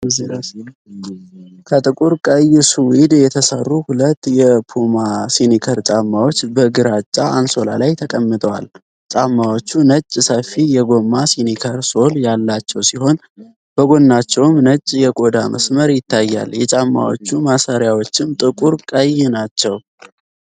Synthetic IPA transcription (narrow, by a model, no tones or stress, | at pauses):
ɨziɾs | kʰət̪ʼɨkʼuɾkʼəjɪsuwid̪jɛt̪ʰəsə̰rːuhulət̪ːjɛpʰumasinikʰəɾt͡ʃʼamːawo̞t͡ʃːbəɡɨɾat͡ʃʼːaʔːnso̞la̰lajt̪ʰəkʼəmːɨt̪ʼəwa̰l | t͡ʃʼamːawo̞t͡ʃːunət͡ʃʼːsəfijɛɡo̞mːasinikʰəɾso̞ljalːat͡ʃːɛwsiho̞n | b̥əɡo̞nːat͡ʃːɛwmnət͡ʃʼːjɛkʼo̞d̪amə̰sməɾjɪt̪ʰːajːa̰ljɛt͡ʃʼamːa̰wo̰t͡ʃːumasaɾjawot͡ʃːɪmt̪ʼɨkʼuɾkʼəjnat͡ʃːɛw